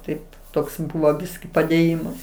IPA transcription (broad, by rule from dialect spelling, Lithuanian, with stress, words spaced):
ˈtɐɪ ˈtoːks ˈbʊʋoː ˈbʲɪsʲkʲɪ pɐdʲeːˈjɪmɐs